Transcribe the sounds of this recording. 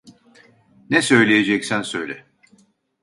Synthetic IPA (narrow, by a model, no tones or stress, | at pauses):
nɛsø̞jlʲejed͡ʒɛcsænsø̞jlʲɛ